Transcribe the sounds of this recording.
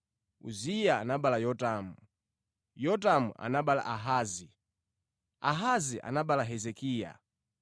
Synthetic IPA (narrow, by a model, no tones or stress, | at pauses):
ṵzijaːnaɓalajɔtamu | jɔt̬amṵʔa̰naɓala̰ʔaɦaːzi | a̰ɦaziʔa̰naɓalaɦɛzɛkiːja̰